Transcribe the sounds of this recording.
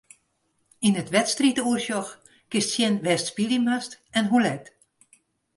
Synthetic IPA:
inətʋɛtstritəuərʃjɔx | kɪstsjɛnʋɛstspiliməstɛnɦulɛt

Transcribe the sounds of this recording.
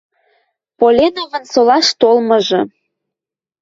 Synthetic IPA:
polʲenovənsolɑʃt̪olmɤ̆ʒɤ̆

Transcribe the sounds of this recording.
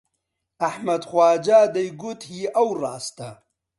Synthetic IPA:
aħmɐd̪xwaːd͡ʒaːd̪ɐjɡut̪hiɐwɾaːst̪ɐ

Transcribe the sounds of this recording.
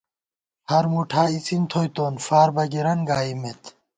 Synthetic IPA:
hɐɾmuʈʰaːit͡sʰint̪ʰojt̪oːnfaːɾbɐɡiɾɐnɡaːimet̪

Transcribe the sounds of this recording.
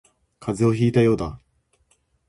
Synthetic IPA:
kʰazɨo̞çiːt̪ajo̞ːd̪a

